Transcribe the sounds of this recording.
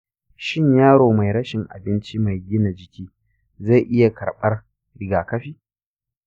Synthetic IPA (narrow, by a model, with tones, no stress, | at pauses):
ʃɪ˦ɲjaː˦ɽoː˨ma˨jɾɐ˦ʃɪ˨ŋʔa̰˨bɪ˦nt͡ʃi˦ma˨jɡʲɪ˦na˨d͡ʒɪ˨kʲiː˦ | za˦˨jʔɪ˦ja˨kʰɐ˨ɓɐ˦r | ɾɪ˨ɡaː˨kɐ˦ɸiː˦